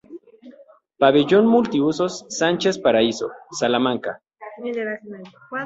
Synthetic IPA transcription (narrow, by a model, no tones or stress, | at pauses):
paβeʝonmult̪iusosːant͡ʃespaɾaiso̰salamãŋka̰